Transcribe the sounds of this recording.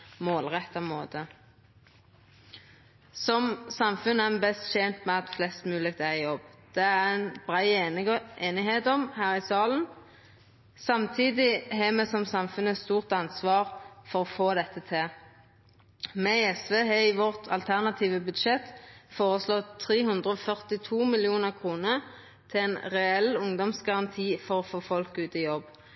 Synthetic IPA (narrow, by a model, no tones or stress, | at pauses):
moːlʁɛt̪ːɑmoːd̪ə | sɔmsɑmfʉnːəænbɛst̪ʃɛːnt̪mɛɑt̪flɛst̪mʉːlɪɡ̚t̪æʁjɔbd̪̥ɛæʁɛnb̥ʁæɪʔeːnɪɦeːt̪ɔmhæːʁɪsɑːlən | sɑmt̪ʰiːd̪ɪɦɛːmɛsɔmsɑmfʉnːəst̪uːʁt̪ɑnsʋɑːʁfɔʁɔfoːd̪ɛt̪ːət̪ʰɛ | mɛɪɛsʋeːɦɛiːʋɔʁt̪ʰɑ̰lt̪ʰæʁnɑt̪ʰiːʋəbʉd̪ʃɛt̪foːʁəslɔt̪ʰːʁeːɦʉnd̪ʁəɔfœʁt̪ɪt̪ʰuːmɪlɪuːnəʁkʰʁuːnəʁ | t̪ʰɪɛnʁɛɛlʊŋd̪ɔmsɡɑʁɑnt̪ʰiːfɔʁɔfoːfɔlkʉːt̪ɪjɔb